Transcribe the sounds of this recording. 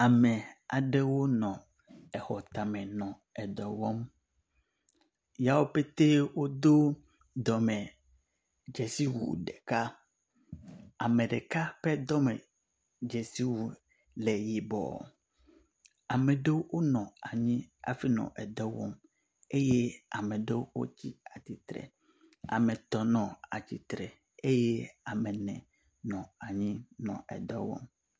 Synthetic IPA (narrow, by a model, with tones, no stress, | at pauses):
a˨mɛ̃˨a˨ɖe˦wo˦nɔ̃˨ | ɛ˨xɔ˨t̪a˨mɛ̃˨nɔ̃˨ | ɛ˨d̪ɔ˨wɔ˦m | ja˦wo˦pe˦t̪e˦wo˦d̪o˦ | d̪ɔ˨mɛ̃˨ | d͡ʒɛ˨si˦wṵ˨ɖe˨ka˦ | a˨mẽ˨ɖe˨ka˦ɸɛ˦d̪ɔ˦mɛ˨ | d͡ʒe˨si˦wu˨ | le˨ji˨bɔ̰˨ | a˨mẽ˨ɖe˦wwo˦nɔ̃˨a˨ɲĩ˦a̰˨fi˦nɔ̰̃˨ʔɛ˨d̪ɔ˦wɔ̰˦m | e˦je˦a˨mɛ̃˨ɖe˦wwo̰˦t͡ɕi˦a˨t̪i˨t̪ɾɛ̰˨ | a̰˨mẽ˨t̪ɔ˨nɔ̃˨a˨t͡ɕi˨t̪ɾɛ˨ | e˦je˦a˨mɛ̃˨nɛ̰̃˨ | nɔ̃˨a˨ɲĩ˦nɔ̰̃˨ɛ̰˨d̪ɔ˦wɔ̰˦m